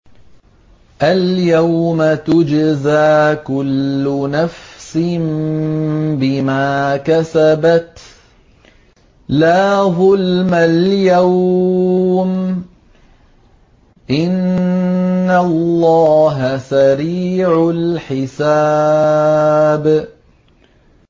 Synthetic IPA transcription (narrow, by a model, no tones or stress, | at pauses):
ʔaljawmat̪ʊd͡ʒzaːkʊlːʊnafsɪn | bɪmaːkasabat̪ | laːðˤʊlmaljaww | m | ʔɪnː | allːɑːɦasaɾiːʕʊlħɪsaː | b